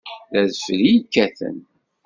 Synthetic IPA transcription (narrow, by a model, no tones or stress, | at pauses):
ðæðflijəkːæθə̰n